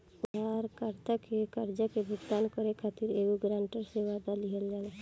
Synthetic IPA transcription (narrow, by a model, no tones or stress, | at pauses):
ʊd̪ʱaːɾkəɾt̪əkekəɾd͡ʒəkebʱʊɡt̪aːnkəɾekʰaːt̪iɾeːɡoɡɾãːɳʈəɾseʋaːd̪aliɦəlːɛːla